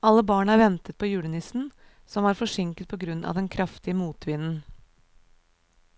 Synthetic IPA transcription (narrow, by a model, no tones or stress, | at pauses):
ɑlːəbɑːɳəæɾʋɛnt̪ət̪̚pʰɔːjʉːɽənɪsn̩ | sɔmʋɑːɾfɔʂɪŋkət̪̚pʰɔɡɾʉnːɑ̰ʋd̪ɛnkʰɾʔɑft̪ɪəmuːt̪ʰʋɪnn̩